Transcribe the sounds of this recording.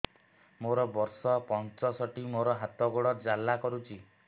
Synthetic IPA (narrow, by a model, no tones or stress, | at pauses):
moɾɔbɔɾsɔpɔnt͡ʃɔsɔʈimoɾɔɦat̪ɔɡoɽɔɾd͡ʒalːakɔɾut͡ʃʰi